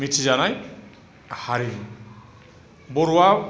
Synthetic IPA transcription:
mitʰizanaj | haɾin | boɹuwa

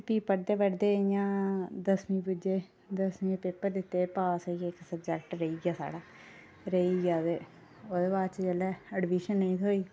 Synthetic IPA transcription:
piːpəɽd̪eːʋəɽd̪eːjãːd̪əsmĩːbʊd͡ʒeː | d̪əsmĩːpeːpːəɾd̪ɪt̪ːeːpaːskɪksəbd͡ʒɛk̚ʈɾəiːɡjaːsa̰ːɽaː | ɾəiːɡjaːdeː | oːd̪eːbaːd̪t͡ʃd͡ʒɛːlɛːəɖʋiːʃənːəĩːt̪ʰoːiː

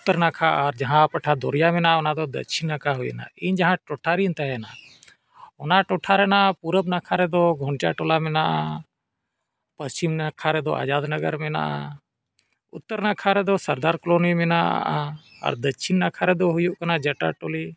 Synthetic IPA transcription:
ʊt̪ːəɾnaːkʰaəɾd͡ʒəɦãpəʈʰad̪o̰ɾijamenaʊnad̪ɔd̪ə̰t͡ʃʰinːakʰaɦuj̰na̰iːnd͡ʒəɦãʈoʈʰaːɾint̪ɛɦɛnaː | ʊnaʈoʈʰaɾɛnapuɾəbnakʰaɾɛd̪oɡʱoɳt͡ʃaʈoːlamenaʔa | pəst͡ʃimnakʰaɾɛd̪oa̰ːd͡ʒaːd̪nəɡəɾmena̰ːʔa̰ | ʊ̰t̪ːəɾnakʰaɾɛd̪osəɾd̪aːɾkloːnijmena̰a | ə̰ɾd̪ət͡ʃʰinːakʰaɾɛd̪oɦʊjuʔkənad͡ʒəʈa̰ʈoːliː

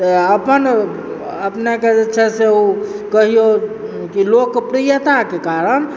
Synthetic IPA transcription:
t̪əəpən | əpneked͡ʒet͡ʃʰɛseu | kəɦijo | kilokpɾijət̪akekaɾən

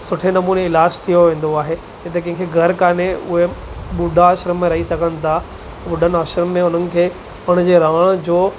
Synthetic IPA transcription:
sʊʈʰenɐmuːneɪlaːst̪ʰijoʋẽːn̆d̪oaːɦe | d͡ʑɐt̪ekɐ̃ɪ̃kʰeɡʱɐɾkaːneʊɦeɓʊɖʱaəːʃɾəmːẽɾɐɦisɐɡʱənɪ̆t̪ʰa | ɓʊɖʱənɪ̆aːʃɾəmːẽʊn̤ənɪ̆kʰeː | pɐɽ̃d͡ʑeːɾaːɽ̃d͡ʑoː

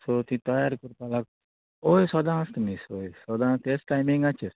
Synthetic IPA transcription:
sot̪ĩt̪ɔjaɾkuɾp̪alak | ojsɔd̪ãst̪misojsɔd̪ãːst̪esʈajmiŋɡat͡ʃʰeɾ

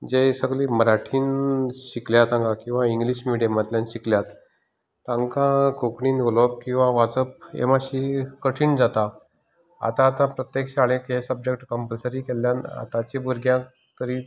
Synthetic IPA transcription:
d͡ʑesəɡliːməɾaʈʰiːnɕikljat̪ãŋkãkĩw̃ʋaiŋɡliɕmiɽijəmat̪ljanɕikljat̪ː | ãŋkãkokɳiːnolɔp̚kĩw̃ʋaʋat͡səp̚ḛmaɕikəʈʰiːɳd͡zat̪a | a̰t̪ãːt̪ãpɾət̪jekɕaɭẽkesəb̚d͡ʑek̚ʈkəmpəlsəɾiːkeljãna̰t̪at͡ɕibuɾɡjã | t̪əɾiː

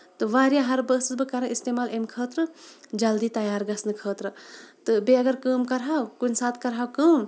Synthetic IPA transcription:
t̪ɨʋaːɾjaɦɐɾbəːsɨsbɨkɐɾaist̪eːmaːlemkʰəːt̪ɾɨd͡ʒɐld̪iːt̪ɐjaːɾɡɐsnɨkʰəːt̪ɾɨt̪ɨbeɐɡɐɾkəːmkɐɾɦaːwkunsaːt̪ʰkɐɾɦaːwkəːm

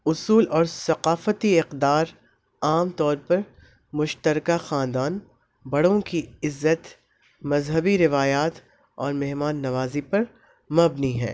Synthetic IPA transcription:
ʊsuːlɔːɾsɐqaːfət̪iɪqd̪aːɾ | aːmt̪ɔːɾpɐɾ | mʊʃt̪əɾkaxãːnd̪aːn | bɐɽ̤õkiɪzːət̪ | mɐzɦəbiɾɪʋaːjaːt̪ | ɔːɾmɛɦmaːnːɐʋaːzipɐɾ | mɐbniɦɛ̰̃ː

